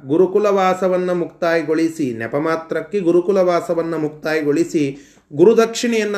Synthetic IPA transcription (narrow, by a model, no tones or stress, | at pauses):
ɡuɾukulɐʋaːsɐʋɐnːɐmukt̪aːjɡoɭisinɛ̰pɐmaːt̪ɾɐkːeɡuɾukulɐʋaːsɐʋɐnːɐmuk̚t̪aːjiɡoɭisi | ɡuɾud̪ɐkʂiɳɛjɐnːɐ